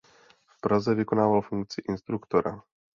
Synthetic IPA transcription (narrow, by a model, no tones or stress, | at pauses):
fpɾazɛvɪkonaːvalfuŋk̚t͡sɪʔɪnst̪ɾukt̪oɾa̰